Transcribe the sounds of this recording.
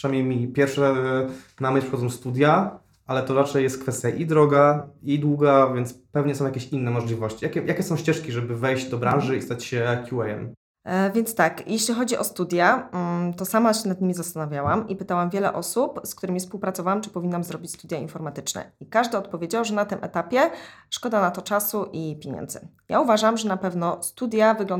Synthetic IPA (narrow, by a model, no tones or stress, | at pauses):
ʂamʲɛmʲipʲjɛɾfʂɛ | namɛpʂxɔd̪zɔ̃w̃st̪ud̪ʲja | alɛt̪ɔɾat͡ʂɛjːɛst̪̚kfɛst̪ʲjaʔid̪ɾɔɡaid̪wuɡavʲjɛnt̪spɛvɲɛsɔ̃jakʲeɕinːɛmɔʐlʲivɔɕt͡ɕijakʲɛjakʲɛsɔ̃w̃ɕt͡ɕɛʂkʲiʐɛbɘvɛjʑd͡ʑd̪ɔbɾãnʐɘist̪at͡ɕɕɛkʲjuwɛjɛ̰m | vʲjɛnt̪st̪akjeɕlʲixɔd͡ʑiʔɔ̰st̪ud̪ʲjat̪ɔsamaɕɛnad̪̚ɲimʲizast̪anavʲjawamʔipɘt̪awamvʲjɛlɛʔɔsupsk̚t̪uɾɘmifspuwpɾat̪sɔvawamt͡ʂɘ̥pɔvʲinːamzɾɔbʲit͡ɕst̪ud̪ʲjainfɔɾmat̪ɘt͡ʂnɛ̰ikaʐd̪ɘɔt̪pɔvʲjed͡ʑawʐɛnat̪ɛmʔɛ̰t̪apʲjɛʂkɔd̪anat̪ɔt͡ʂasuʔipʲjeɲɛ̰nd̪zɘ̰ | ja̰uvaʐamʐɛnapɛvnɔst̪ud̪ʲjavɘɡlɔ